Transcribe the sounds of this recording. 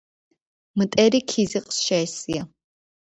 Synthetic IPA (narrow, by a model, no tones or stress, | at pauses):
mt̪ʼɛɾikʰiziqʼsʃɛɛsia